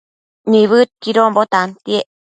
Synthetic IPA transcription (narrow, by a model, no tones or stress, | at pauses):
niβɯt̪̚kiɾombot̪ant̪ieʔ